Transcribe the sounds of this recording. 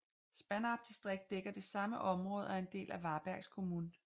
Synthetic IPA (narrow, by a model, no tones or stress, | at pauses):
sb̥ænɑ̈b̥̚d̥isd̥ʁeɡ̥̚d̥ːeɡ̥ɐd̥e̝sɑ̈məʔɒ̽mʁɔ̽ːð̞ˠæe̝nd̥e̝̰ːlʔæʋɑ̈ːb̥æɐɡ̥skʰo̝muːn